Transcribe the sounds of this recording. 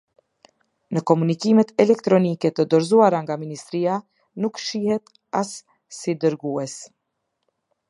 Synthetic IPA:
nəkɔmunikimɛt̪ɛlɛk̚t̪ɾɔnikɛt̪əd̪ɔɾzuaɾaŋɡaminist̪ɾia | nukʃihɛt̪ | as | sid̪əɾɡuɛs

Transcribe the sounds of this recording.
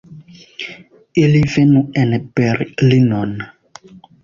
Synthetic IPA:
ɪlɪvɛnʊɛnɛpɛrɪlɪnɔːna

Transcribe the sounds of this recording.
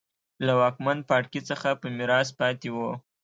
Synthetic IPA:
lawɑkman̚pɑʈkit͡səxapəmɪɾɑs̬pɑt̪ewu

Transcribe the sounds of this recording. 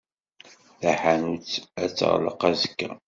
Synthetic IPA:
θæħanut͡sːæ̰t͡sːə̰ʁlə̰qæzə̥kːæ̰

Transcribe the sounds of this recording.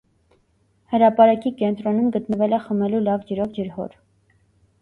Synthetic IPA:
həɾɑpɑɾɑkikɛnt̪ɾɔnumɡət̪nəvɛlɛχəmɛlulɑvd͡ʒəɾɔvd͡ʒəɾɦɔ̰ɾ

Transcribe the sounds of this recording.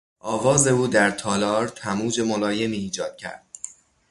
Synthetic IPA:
ʔɒːvɒːze̞uːd̪æɾt̪ʰɒːlɒːɾt̪ʰæmuːd͡ʒe̞molɒːje̞miːd͡ʒɒːd̪̥̚cʰæ̰ɾd̪̥̚

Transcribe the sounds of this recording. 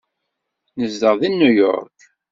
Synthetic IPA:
nəzd̪əʁðinːujɔ̰ɾk

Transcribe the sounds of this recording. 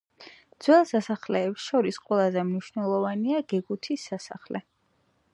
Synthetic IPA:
d̪z̥wɛlˠsasaχlɛːpsʃɔɾisqʼwɛlˠazɛmniʃvnɛlˠɔvaniaɡ̥ɛɡut̪ʰisːasa̰χlɛ

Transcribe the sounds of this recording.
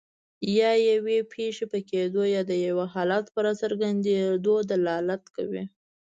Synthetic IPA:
jɑjawepʰeʃepəked̪ojɑd̪əjawaɦɑlat̪pəɾasəɾɡand̪ed̪od̪alɑlat̪ka̰wḭ

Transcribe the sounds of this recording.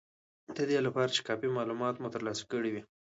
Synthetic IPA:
d̪̥əd̪elapɑɾat͡ʃe̥kɑpimɑlumɑt̪mʊt̪əɾlɑsḁkəɽiwi

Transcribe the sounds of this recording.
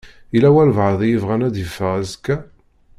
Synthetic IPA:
ilæwælvʕðˤjəvʁænæd̪jəfːəʁæzkːæ

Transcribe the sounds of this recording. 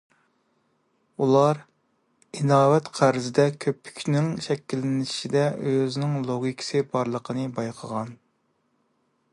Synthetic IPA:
ulˠɑɾ | inɑːwɛt̪qʰæɾzɪd̪ɛkʲʰøpʰːy̥kʲnɪŋʃɛkʲːilːɪnɪʃid̪ɛøzɪnɪŋlˠoɡʲikʲʰɪ̥sɨbɑɾlˠəqʰənɨbɑjqʰəʁɑn

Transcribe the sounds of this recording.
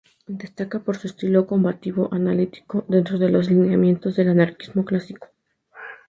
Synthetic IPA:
d̪e̞st̪akapo̞ɾsue̞st̪ilo̞ko̞mbat̪iβo̞ʔanalit̪i̥ko̞d̪e̞nt̪ɾo̞ð̞e̞lo̞slineamje̞nt̪o̞zðe̞lanaɾkizmo̞klasiko̥

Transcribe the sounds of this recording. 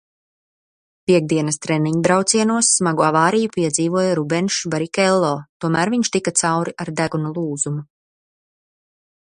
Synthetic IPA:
piɛɡ̚d̪iɛnɐst̪ɾɛniɲd̪ɾawt̪siɛnuɔsːmaɡuavaːɾijupiɛd̪ziːvuɔjaɾubɛnʃbaɾikɛlˠːɔːt̪uɔmæːɾviɲʃt̪ikat̪sawɾiʔaɾd̪æɡunulˠuːzumu

